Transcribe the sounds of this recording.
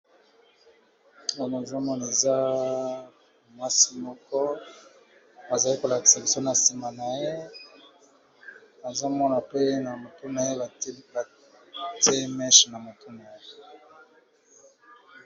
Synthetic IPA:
o˦no˨zo˦mɔ˦n˨e˨za˦ | mwa˦si˦mɔ˦kɔ˦ | ba˨za˨li˦ko˨la˨ki̥˨sa˨bi˨so˦na˨si˨ma˨na˨je˦ | a˨zo˦mɔ˦na˨pe˦na˨mo˨tu˦na˨je˦˨˦ba˨ | te˦mɛ˦ʃna˨mo˨tu˦na˨e˦

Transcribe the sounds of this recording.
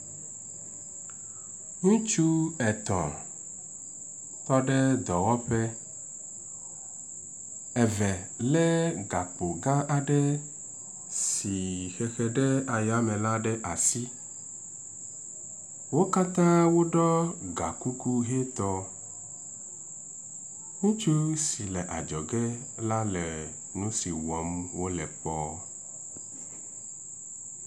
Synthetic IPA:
ŋũ˦t͡ʃu˦ɛ˨t̪ɔ̰̃˨ | t̪ɔ˦ɖɛ˦d̪ɔ˨wɔ˦ɸɛ˦ | ɛ˨vɛ˨ | lɛ˦ɡa˨k͡po˨ɡã˦ʔa˨ɖɛ˦ | si˨xɛ˨xɛ˨ɖɛ˦a˨ja˦mɛ̃˨la˦ɖɛ˦ʔa˨si˦ | wo˦ka˦t̪ã˦wo˦ɖɔ˦ɡa̰˨ku˦ku˦ɦɛ˦t̪ɔ˦ | ŋũ˦t͡ʃu˦si˨lɛ˨ʔa̰˨d͡ʒɔ˨ɡɛ˦ | la˦lɛ˨ | nũ˦si˨wɔ˨˦mwo˦lɛ˨pɔ˦

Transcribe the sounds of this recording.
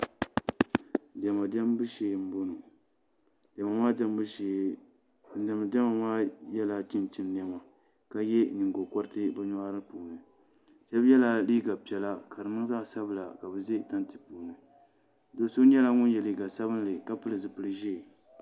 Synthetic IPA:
dɛ˨ma˨dɛ˦m˦bɨ˦ʃeː˨m̩˦bo˦nu˨ | dɛ˨ma˨maː˦da˦mbɨ˦eː˨ | dɛ˨m˨dɛ˦ma˨maː˦jɛ˦la˨t͡ʃɪ˦nt͡ʃɪ˦n˦n˦ɛ˦ma˨ | ka˦jɛ˦ni˨ŋ˨ɡo˨kɔ˦ɾɨ˦tɨ˦bɨ˦ɲɔ˦ʔa˦ɾɨ˦puː˨nɨ˨ | t͡ʃɛ˦bjɛ˦la˨liː˦ɡa˨pi˨ɛ˨la˦ka˨dɨ˨nɨ˦ŋ˦zaː˦˨sa˦bɨ˨la˨ka˨bɨ˨ze˦ta˦ntɨ̥˨puː˨nɨ˨ | do˨˦so˦ɲɛ˦la˦ŋʊ˦n˦jɛ˨liː˦ɡa˨sa˦bɨ˦n˦lɨ˨ka˦pɨ˦lɨ˨zɨ˨pɨ˦ɨ˦ʒe˦˨

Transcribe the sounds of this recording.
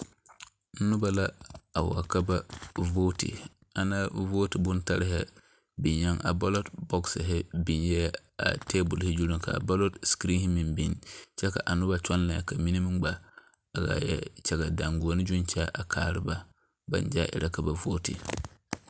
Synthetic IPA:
nu˦ba˨la˦a˨wa̰˨ka˦ba˦voː˦tḭ˨ | a˨na˦voː˦ti˨bu˦nta˦ɾɦɛ˦ | bi˨ɲja˦ŋʔa̰˨ba˦lo˦tbɔ˦ksɦɛ˦bi˨njɛ˦ | a̰˨teː˦bu˨lhi˦d͡ʒu˦ɾu˦˨ŋka̰˨ba˦lo˦tskɾĩ˦hi˦mi˨mbi˨nt͡ʃɛ˦ka̰˨ʔa˨nu˦ba˨t͡ʃɔ˦nla˨ka˨mi˦ni˦mi˦ŋɡ͡baː˨ | ɡa̰˨jɛ̰˦t͡ʃa˦ɡa˨da˨ŋɡu˨o˨˦ni˦d͡ʒu˦nt͡ʃa˦ʔa˨kʰa̰ː˨ɾḭ˦ba˦ | ba̰˨n˦d͡ʒa˦ʔḭ˨ɾʔa˦ka˨ba˨vo˦tḭ˨

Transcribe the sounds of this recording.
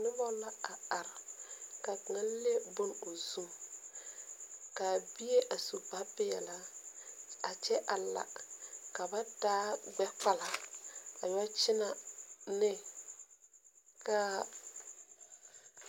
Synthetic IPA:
nɪ˦bɔ˦la˦a˨a˨ɾka˨ŋa˦le˦bʊ˦no˨zu˦m | ka˨bi˦e˦ʔa˨su˨pa˦pɪ˦jɛ̰˨la˦ | a˨t͡ʃɛ˦ʔa˨la̰˨ka˨ba˦daː˦ɡ͡bɛ˦k͡pa˦la˨a˨jt͡ʃɪ˦na˨nɪ˦ | ka˦

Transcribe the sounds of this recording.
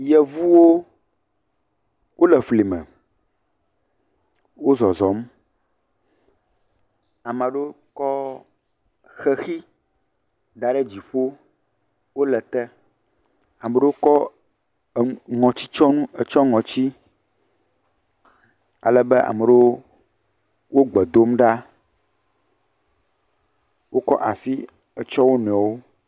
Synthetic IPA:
jɛ˨vu˦wo˦ | wʔo˦lɛ˨fli˨mɛ̰̃˨ | wo˦zɔ˨zɔ˨m˦ | a˨mɛ̃˨ɖo˦ | kɔ˦ | xɛ˦xi˦ | d̪a˨ɖɛ˦d͡ʑi˨ɸo˦ | wo˦lɛ˨t̪ɛ˦ | a˨mɛ˨ɖe˦wo˦kɔ˦˨ | ŋɔ̃˨t͡ɕi̥˦t͡ʃɔ˦nũ˦ɛ˨t͡ʃɔ˦ŋɔ̃˨t͡ɕi˦ | a̰˨lɛ˦bɛ˦ʔa̰˨mɛ˨ɖo˦ | wo˦ɡ͡bɛ˨d̪o˦mɖa˦ | wo˦kɔ̰˦ʔa˨si˦ | ɛ˨t͡ʃɔ˦wo˦nɔ̃˨a˨wo˦

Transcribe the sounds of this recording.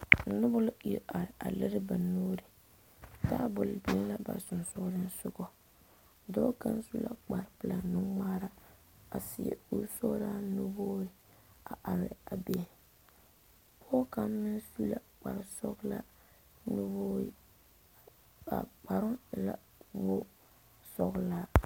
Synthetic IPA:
nʊ˦bʊ˦lʊ˦i˨ɾʔa˨ɾɪ˨ʔa̰˨le˦ɾɪ˦ba˨noː˦ɾɪ˨ | taː˦bʊ˨lbi˨˦lla˦ba̰˨sʊ˨nsʊ˦ɾɪ˦n˦sʊ˦ɡɔ˦ | dɔː˦ka˦nsu˦la̰˦k͡pa˨ɾpɨ˨la˨nʊ˦ŋmaː˦ɾa˦ | a˨sɪ˨jḛ˨u˦ɾso˦ɾa˦nʊ˦boː˦ɪ˦ | a˨ʔa˨ɾɪ̰˨a˨be˦˨ | pʰɔ˦ka˦m˦mɪ˦nsu˦la˦k͡pa̰˨ɾɪ˨sɔ˦ɡla̰˦ | nʊ˦boː˦ | a̰˨k͡pa˨ɾʊ˦˨la˦ | bo˦ | sɔ˦ɣla˦

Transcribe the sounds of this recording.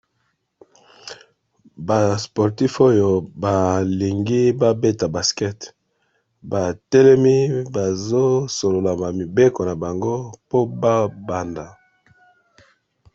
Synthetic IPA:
ba˨spo˨ʁti˦fo˦jo˨ba˨li˨ŋɡi˦ba˦be˦ta˨ba˨skɛ˦t | ba˨tɛ˦lɛ˦mi˦ba˨zo˦so˨lo˨la˨ba˨mi˨be˦ko˨na˨ba˨ŋɡo˦po˦ba˦ba˨nda˨

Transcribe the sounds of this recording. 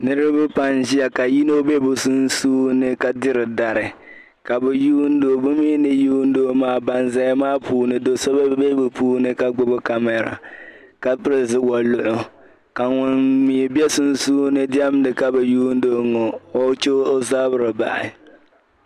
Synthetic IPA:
nɨ˦ɾɨ˦bɨ˦pa˦nʒi˦a˨ka˨ji˦no˦be˦bʊ˨sʊ˦n˦suː˦nɨ˦ka˨dɨ˦ɾɨ˨da˨ɾɪ˨ | ka˨bɛ˨juː˦n̩˦do˨bʊ˦mi˦nɨ˨juː˦n̩˦doː˦maː˦ba˨nza˦ja˦maː˦puː˦nɨ˨do˨sɔ˦ba˦be˦bɨ˨puː˦nɨ˦ka˨ɡ͡bʊ˦bʊ˦ka˨mɛ˨ɾa̰˨ | ka˦pɨ˦ɾɪ˨zɨ˦wa˨lʊ˦˨ʔʊ˨ | ka˨ŋʊ˨nmi˨bɛ˦sʊ˦n˦suː˦nɨ˦dɪ˦ɛ˦m˦dɨ˨ka˦bɛ˨juː˦n̩˦doː˦ŋɔ˨ɔ˦t͡ʃo˦ʔo˦za˦bʊ˦ɾɨ˨ba̰˨ʔɪ̰˨

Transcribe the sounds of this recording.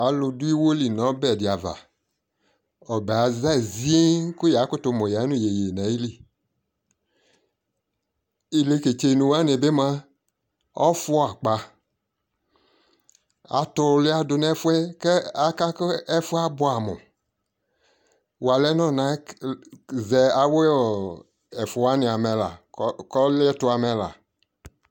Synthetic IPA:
a˨lʊ˧dʊ˦i˦wo˦li˨nɔ̃˨˦bɛ˨dɪ˨a˨va̰˨ | ɔ˨bɛ˨a˨za˦˨zi˦e˦kʊ˦ja˨˦kʊ˦tʊ˧mo˨ja˨˦nũ˦je˨je˨na˨˦i˦li˦˨ | i˨le˨˧ke˨t͡ʃe˧˨nũ˧wa˦ne˨be˦mã˦ | ɔ˦fʊ˦˨a˨k͡pa˧ | a̰˨˦tʊ˧lɪ˦a˦dʊ˧nɛ˦fʊ˦ɛ˦kɛ˦a˨ka˦kɛ˦fʊ˦a˦bʊ˦a˨mʊ̰˨ | wa˨lɛ˦nɔ˦˨na˨˦ | zɛ˨a˨we˦ɔ˨ | ɛ˨fʊ˨wa˦nɪ˨a˨mɛ˨la̰˨kɔ˦lɛ˦tʊ˧a˨mɛ˨la̰˨

